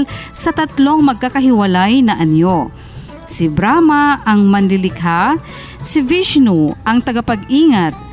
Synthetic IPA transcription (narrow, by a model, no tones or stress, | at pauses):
lsɐt̪ɐt̪lo̞ŋmɐɡ̚kakɐɦɪwɐlajnɐʔɐnjo | sɪbɾamaɐŋmɐnlɪlɪkɦa | sɪviʃnuʔɐŋt̪ɐɡapɐɡiːŋat̪̚